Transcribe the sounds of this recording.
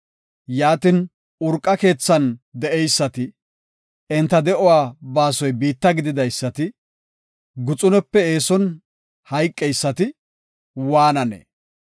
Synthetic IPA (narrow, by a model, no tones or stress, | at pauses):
jaːt̪ɪn | ʊɾkʼːɐke̞ːt͡sːɐnd̪ɛʔɛjsːɐt̪ɪ | ɛnt̪ːɐd̪ɛʔɔwaːbaːsɔjbiːt̪ːɐɡɪd̪ɪd̪ɐjsːɐt̪ɪ | ɡʊt͡sʼʊnɛpːɛeːsɔn | hɐjkʼːɛjsːɐt̪ɪ | waːnɐnḛ